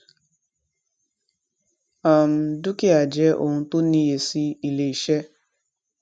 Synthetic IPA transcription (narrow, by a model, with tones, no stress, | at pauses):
a˨m̩˦du˦ki˦a˨d͡ʒɛ˦ʔo̰˦˨ũ˦˧˦to˦ni˦je˨si˦i˨le˨i˨ʃɛ˦